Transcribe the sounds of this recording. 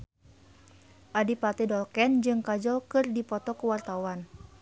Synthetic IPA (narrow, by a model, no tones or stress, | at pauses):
ʔadipat̪ɛdɔlkɛnd͡ʒɨŋkad͡ʒɔlkɨrdipɔt̪ɔkəwart̪awan